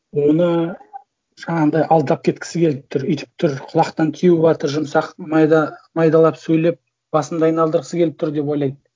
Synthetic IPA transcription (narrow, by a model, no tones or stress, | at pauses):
wo̞nə | ʒ̥ɑɴɑnd̪ɑjʔɑlˠd̪ɑp̚kʲʰe̞t̪kʲɪ̥sɪkʲʰe̞lɪp̚t̪ʰʊɾʏjt̪ɪ̥p̚t̪ʰʊɾqʰʊlˠɑqt̪ɑnt̪ʲʰijubɑt̪əɾʒʊmsɑqmɑjd̪ɑmɑjd̪ɑlˠɑpsɵjle̞p̚ | b̥ɑsəmd̪ɑːɑjnɑlˠd̪əɾʁəsəkʲeɪp̚t̪ʰʊɾd̪e̞p̬wo̞jlˠɑjd̪